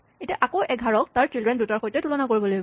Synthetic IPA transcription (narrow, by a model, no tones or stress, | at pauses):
etiaʔakoʔɛɡʱaɹɔk̚taɹtɹilɹɛndutaɹxojtɛtulɔnakoɹibɔlojbɔ